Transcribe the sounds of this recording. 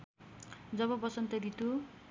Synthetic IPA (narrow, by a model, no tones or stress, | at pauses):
d͡zʌβʌbʌsʌnt̪ʌd̪it̪u